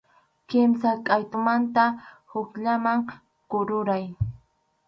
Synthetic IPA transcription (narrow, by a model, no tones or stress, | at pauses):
kɪmsakʼajt̪ʊmant̪ahʊkʎamaŋ | kʊɾʊɾaj